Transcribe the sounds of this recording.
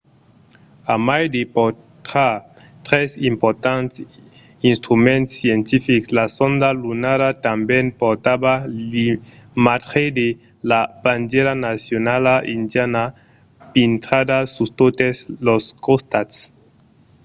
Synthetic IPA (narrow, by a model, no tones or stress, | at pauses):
amajdepo | tɾa | tɾesimpoɾtant | inst̪ɾumentsientifiklasondalunaɾatambenpoɾtabalimatχede | lapand͡ʒeɾanasionalaʔindjana | pintɾadasustotesloskostats